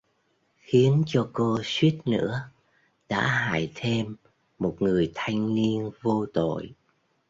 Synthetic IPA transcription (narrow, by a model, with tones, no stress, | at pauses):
xi˨˦ənt͡ɕɔ˧ko˧swi˦˥ət̚nɨ̰˧˥ə | ɗa̰ː˧˥ɦaː˧˩˨jt̪ʰe˧mː | o˨˩t̚ŋɨ˨˩əjt̪ʰa˧jŋ̟ni˧ənvo˧t̪o̰˧˨j